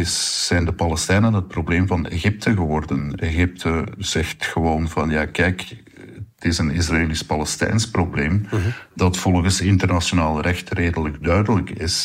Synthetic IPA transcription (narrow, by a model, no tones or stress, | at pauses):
ɪsːɛjndəpɑlɛstɛjnənɦət̚probleːmvɑnḛɣɪp̚tʰəɣəʋɔrdəneɣɪp̚tʰəz̥ɛxtxəʋoːnvɑnjaːkɛjk | ətɪsənɪsraeːlispɑlɛstɛ̰jnsprobleːmdɑtfɔlˠɣəsɪntərnasjonaːlˠrɛxtreːdələɡdœɥdələkɪs